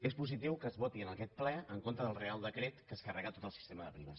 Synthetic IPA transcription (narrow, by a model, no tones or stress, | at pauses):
espuzit̪iwkəːzβɔt̪iənəkɛt̪̚plɛəŋkont̪ɾəðəlˠrealˠd̪əkɾet̪kəːskərɛɣət̪ot̪əlˠsi̥st̪eməðəpɾiβə̰s